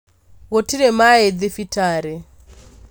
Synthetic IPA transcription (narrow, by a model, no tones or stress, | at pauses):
ɣɔtiɾɛmaɛd̪ifitʰaːɾɛ